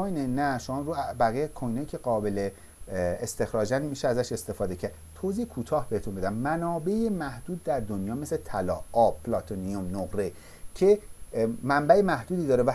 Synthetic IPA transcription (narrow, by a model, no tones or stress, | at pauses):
ojnenæʃomɒɾubæɣijekʰojnejicʰe̞ɢɒːbe̞le | est̪e̞xɾɒːd͡ʒænd̪miːʃeæzæʃe̞st̪e̞fɒːd̪e̞cʰæɾd̪̥t̪ʰoziːekʰuːt̪ʰɒːhbehet̪ʰunmbe̞d̪æmmænɒːbe̞emæhd̪̥uːd̪̚ːæɾd̪onjɒːmeslet̪ʰælɒ̰ːɒːbpʰːlɒt̪ʰoniomnoɣɾe̞ | cʰe̞ | mæmbæemæhd̪uːd̪iːd̪ɒːɾevæ